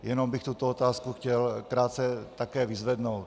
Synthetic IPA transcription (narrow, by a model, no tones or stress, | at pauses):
jɛno̞mbɪxt̪ut̪oot̪aːskuxcɛlkɾaːt̪t͡sɛt̪akɛːvɪzvɛdnowt̪